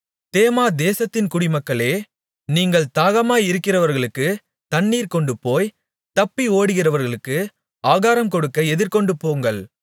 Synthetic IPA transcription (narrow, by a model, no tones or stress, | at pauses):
t̪eːmaːd̪eːsɐt̪ːɪnkʊɽɪmɐkːɐɭeː | niːŋɡɐɭt̪aːɣɐmaːjɪɾɯkːɪrɐʋɐɾɣɐɭɯkːɯ | t̪ɐɳːiːɾkɔɳɖɯpoːj | t̪ɐpːioːɽɯɣɪrɐʋɐɾɣɐɭɯkːɯ | aːɣaːɾɐmkɔɽɯkːɐɛðɪɾkɔɳɖɯpoːŋɡɐɭ